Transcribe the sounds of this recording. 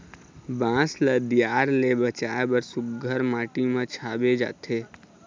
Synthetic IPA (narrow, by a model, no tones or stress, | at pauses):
bãːsləd̪ijaːɾlebət͡ʃaːebəɾsʊkɡʱəɾmaːʈimãt͡ʃʰaːbed͡ʒa̰ːt̪ʰeː